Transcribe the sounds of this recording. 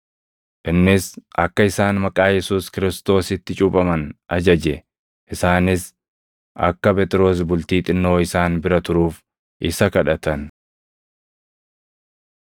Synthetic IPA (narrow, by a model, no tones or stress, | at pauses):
ʔɪnːɪsʔɐkːɐɪsaːnmɐkʼaːjɛsuːskɪɾɪst̪o̞ːsɪt̪ːɪt͡ʃʼʊpʼɐmɐnʔɐd͡ʒɐd͡ʒɛ | ʔɪsaːnɪs | ʔɐ̰kːɐbɛt̪ʼɪɾo̞ːs̬bʊlt̪iːt̪ʼɪnːo̞ːɪsaːnbɪɾɐt̪ʊɾuːf | ʔɪsɐkɐᶑɐt̪ɐn